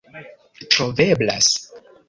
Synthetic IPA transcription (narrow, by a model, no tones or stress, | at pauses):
tɾovebla̰s